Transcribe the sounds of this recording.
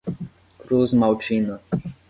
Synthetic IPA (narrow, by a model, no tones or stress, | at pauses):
kɾuzmawt͡ʃinə